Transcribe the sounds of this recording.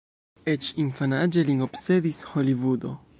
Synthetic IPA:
et͡ʃinfanad͡ʒeliŋopseðisxolivud̪o

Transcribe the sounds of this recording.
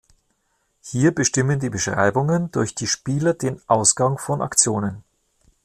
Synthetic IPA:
hiːɐbəʃtɪməndiːbəʃʁ̥a̰ɪbʊŋəndʊɐçd̥iːʃpiːlɐdeːnʔaʊsɡ̥aŋfɔnʔa̰kt͡sjoːnən

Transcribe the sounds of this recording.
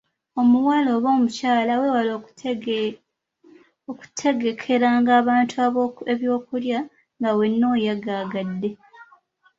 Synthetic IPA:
o̞muwaːlo̞ːβo̞ːmucaːlawe̞waloː | oku̥tʰe̞ɡe̞kʰe̞ɾaŋɡaːβaːntʰuaβe̞βjo̞ːkulja | ŋɡawe̞nːo̞ːjaɡaɡadːe̞

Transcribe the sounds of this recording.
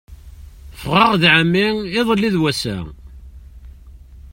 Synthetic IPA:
fʁɑʁðʕəmːiɪðˤəlːiðwæsæ̰

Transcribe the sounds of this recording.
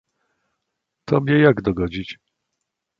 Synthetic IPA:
t̪ɔmʲɲɛjaɡd̪ɔɡɔd͡ʑit͡ɕ

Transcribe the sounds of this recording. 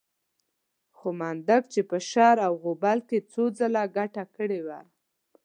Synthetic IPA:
xomɑnd̪aɡt͡ʃepəʃɑɾawɣobalket͡sod͡zəlaɡaʈakəɽewa̰

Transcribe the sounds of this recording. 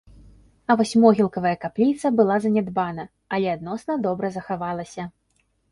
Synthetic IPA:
ɐvɔsʲmɔɣʲilˠkɐvɐjɐkaplʲit̪sɐbɨlˠazɐnʲɛd̪banɐ | ɐlʲɛad̪nɔsnɐd̪ɔbɾɐzɐxavalˠɐsʲɐ

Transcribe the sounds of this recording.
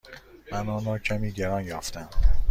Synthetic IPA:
mænɒːnɒːcʰæmiːɟeɾɒnjɒːft̪æm

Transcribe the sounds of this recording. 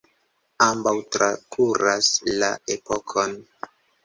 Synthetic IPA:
ambawtɾakʰuɾaslaepokʰon

